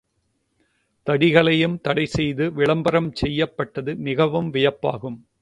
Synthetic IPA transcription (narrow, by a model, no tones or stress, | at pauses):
t̪ɐɽɪɣɐɭɐjɯmt̪ɐɽɐɪsɛjðɯʋɪɭɐmbɐɾɐmt͡ʃɛjːɐpːɐʈːɐðɯmɪɣɐʋɯmʋɪjɐpːa̰ːɣɯm